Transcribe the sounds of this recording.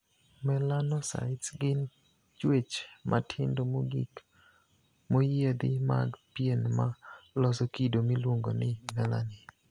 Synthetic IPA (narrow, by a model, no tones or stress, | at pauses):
mɛlanɔsa̰ɪtsɡɪn | t͡ʃwet͡ʃmʔa̰tʰɪndomoɡḭk | mojed̪ɪma̰ɡpjenmalɔsɔkidomilwoŋɡo̰nɪmɛla̰nɪ